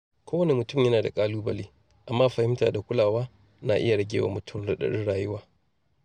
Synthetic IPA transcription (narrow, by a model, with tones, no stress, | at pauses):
kʷoː˦wɐ˦ne˨mʊ˨tʊ˦˨mjɐ˦naː˨da̰˨kʼaː˦luː˦bɐ˨liː˦ | ʔa˨mːaː˦ɸɐ˨hɪ˦mtaː˨da˨kʷʊ˦laː˨waː˦ | na˨ʔɪ̰˦ja˨ɽɐ˦ɡʲeː˨wa̰ː˨mʊ˨tʰʊ˦mɽɐ˦ɗɐ̰˦˨ɽɪ̰˦nɽaː˨jʊ˦waː˦